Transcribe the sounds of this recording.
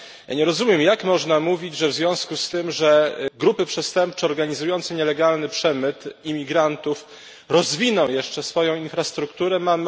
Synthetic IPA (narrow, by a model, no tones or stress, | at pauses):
ja̰ɲɛɾɔzumʲjɛmjakmɔʐnamuvʲid͡ʑʐɛvzvʲjɔ̃w̃skust̪ɘmʐɛɡɾupɘpʂɛst̪ɛmp̚t͡ʂɛɔɾɡaɲizujɔnt̪sɛɲɛlɛɡalnɘpʂɛmɘt̪imʲiɡɾant̪uf | ɾɔzvʲinɔ̃w̃jɛʂt͡ʂɛsfɔjɔ̃w̃infɾast̪ɾukt̪uɾɛmam